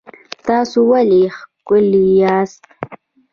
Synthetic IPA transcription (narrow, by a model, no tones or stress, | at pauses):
t̪ɑːsuwalixkʊlijɑːst̪